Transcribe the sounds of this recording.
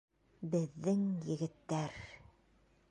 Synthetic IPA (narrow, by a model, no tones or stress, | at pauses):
bɘ̆ðːɘŋjɘ̆ɡɘ̆t̪ːæɾ